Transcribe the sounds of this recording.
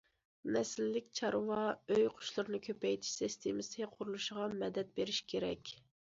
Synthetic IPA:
nɛsɪlːɪk̚ʲt͡ʃʰɑɾwɑøjqʰʊ̥ʃlˠʊɾnɨkʲʰøpɛjt̪ʰɪ̥ʃsɪst̪ʰemɪsɪqʰʊɾulˠuʃəʁɑmɛd̪ɛt̪̚beɾɪʃkʲʰeɾɛ̰kʲ

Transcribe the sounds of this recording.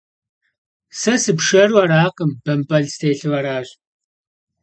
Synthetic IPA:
sɐsɨpʂɐrwaɾaːqəmbɐmpʼɐɮstʰeːɬɨvɐɾaːɕ

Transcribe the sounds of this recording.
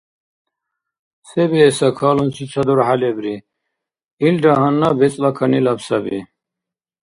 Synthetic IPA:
sebeːsɐkʰaːlunsʰit͡ɕʰɐd̪uɾhalebɾi | ilɖaɦɐnːabet͡sʼlakʰɐnilɐpsɐbḭ

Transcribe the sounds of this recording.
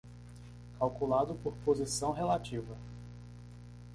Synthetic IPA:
kawkulad̪ʊpoɾpozisɐ̃w̃ɦelat͡ʃivɐ

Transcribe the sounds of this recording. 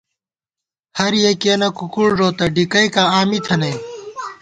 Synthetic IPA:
hɐɾjekeːnɐkukuɽʐoːt̪ɐɖikɐjkaːaːmit̪ʰɐnɐj

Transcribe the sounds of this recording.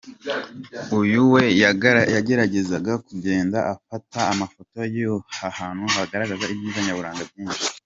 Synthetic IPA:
ujuwe̞jaɟe̞ɾaɟe̞zaɡakuɟe̞ːndaʔafataːmafo̞to̞jijohahaːn̥huɦaɡaɾaɡazaibjiːzaɲaβuɾaːŋɡab̚ɡiːnʃi̥

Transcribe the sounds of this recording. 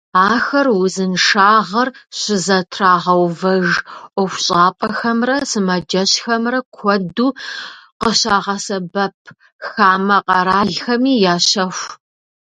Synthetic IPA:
aːxɐrwʊzɨnʂaːʁɐrɕɪzɐtʰraːʁɐwvɐʒʔʷɔxʷɕʼaːpʼɐxɐmrɐsɨmɐd͡ʒɐɕxɐmrɐkʷʰɔduːqəɕaːʁɐsɐbɐp̚ʰ | xaːmɐqɐɾaːɮxɐmiːjaːɕɐxʷ

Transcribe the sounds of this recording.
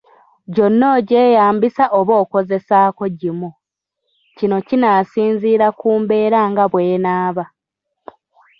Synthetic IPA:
ɟo̞nːo̞ɟe̞ːjaːmbisaʔoβo̞ːko̞ze̞saːko̞ɟimu | cino̞cinaːsiːnziːɾakuːmbe̞ːɾaŋɡaβwe̞ːnaːβa

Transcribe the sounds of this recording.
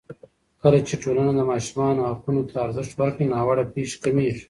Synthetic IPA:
kɐlat͡ʃeʈoːlanad̪ɐmɑːʃmɑːnoɦaqunot̪ʰaːɾzɪʂʈwɐɾkinɑːwɐɽapiːʃkamiːɾ

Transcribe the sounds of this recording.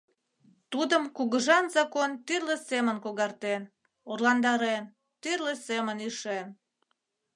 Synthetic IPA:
t̪ud̪əmkuɣəʒɑnzɑkont̪yrlĕsemənkoɣɑrt̪en | orlɑnd̪ɑɾen | t̪yrlesemənyʃen

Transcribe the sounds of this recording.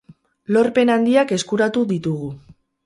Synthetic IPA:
lo̞ɾpe̞nand̪iake̞skuɾat̪uðit̪uɣ̞u

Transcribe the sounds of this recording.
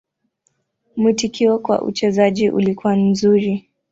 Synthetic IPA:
mutikiɔkwa̰ʔṵt͡ʃɛzaʄiʔṵlikuwam̩zuɾi

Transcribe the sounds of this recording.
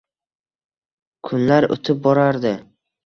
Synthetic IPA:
kʰʊnlaɾo̰t̪ʰɪp̚bɒɾaɾd̪ɪ

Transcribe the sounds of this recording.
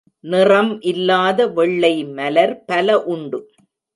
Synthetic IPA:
nɪrɐmʔɪlːaːðɐʋɛɭːɐɪmɐlɐɾpɐlɐʔʊɳɖɯ

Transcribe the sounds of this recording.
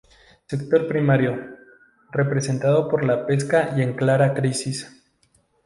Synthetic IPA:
se̞kt̪o̞ɾpɾimaɾjo̞ | re̞pɾese̞nt̪aðo̞po̞ɾlape̞skaʔje̞ŋklaɾakɾisis

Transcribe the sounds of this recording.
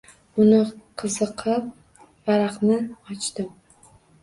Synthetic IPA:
ʊnɪqʰɨzɨqʰɨp̚ | vaɾɑqnɪɒt͡ʃt̪ɪm

